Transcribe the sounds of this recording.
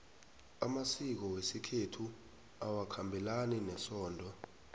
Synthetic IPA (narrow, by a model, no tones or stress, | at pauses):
amasik̬ɔwesikʰetʰu | awakʰambʱilaninɛsɔːndʱɔ